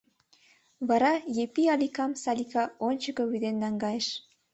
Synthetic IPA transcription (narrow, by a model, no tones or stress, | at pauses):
βɑɾɑjepiɑlikɑmsɑlikɑonʲt͡ɕə̆kɤ̆βyd̪enlɑŋɡɑjeʃ